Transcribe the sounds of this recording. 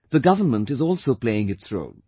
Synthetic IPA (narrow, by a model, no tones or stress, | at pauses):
ðəɡʌvənmə̃ntɨzɔlˠsoʊpl̥eɪɪ̃ŋɨtsɹo̰ʊd̚